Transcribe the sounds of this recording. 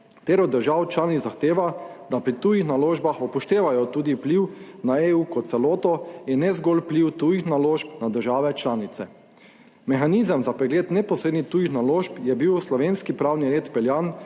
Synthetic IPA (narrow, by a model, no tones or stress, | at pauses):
t̪eːɾɔd̪əɾʒawt͡ʃlaːnit̪zaxt̪eːʋad̪apɾit̪uːjixnaloːʒbaxɔpɔʃt̪eːʋajɔt̪uːd̪iwpliwnaeːuːkɔt̪t̪sɛloːt̪ɔjɛnːɛzɡɔlpliwt̪uːjixnaloːʃpnad̪əɾʒaːʋɛt͡ʃlaːnit̪sɛ | mɛxaniːzəmzapɾɛɡleːt̪nɛpɔsɾeːd̪nixt̪uːjixnaloːʃpjɛbiwslɔʋeːnskipɾawniɾeːt̪pɛljan